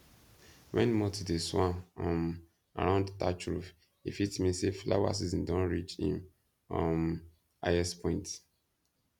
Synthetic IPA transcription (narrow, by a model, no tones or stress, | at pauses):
wɛ̰̃nmɔtideswãɔ̃m | a̰ɹãʊ̃ndtat͡ʃɹuf | ḭfitmĩnsefla̰wa̰s̬izɔ̃ndɔ̃nɹit͡ʃhḭ̃m | ɔ̰̃n | aɛspʰɔ̃ɪ̃nt